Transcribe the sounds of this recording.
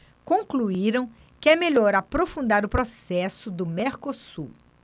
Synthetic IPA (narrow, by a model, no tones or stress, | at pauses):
kõkluiɾɐ̃w̃ | kɪɛmeʎɔɾapɾofũnd̪aɾʊpɾosɛsʊd̪ʊmeɾkosṵ